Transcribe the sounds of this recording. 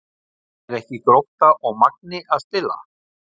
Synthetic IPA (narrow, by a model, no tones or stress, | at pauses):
ɛɾɛhcɪkɾoht̪aʔɔɣmak̚nɪʔaðst̪ɪla̰